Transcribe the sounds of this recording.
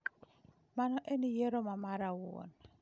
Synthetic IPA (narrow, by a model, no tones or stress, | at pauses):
manɔʔenijeɾomamaɾawʊo̰n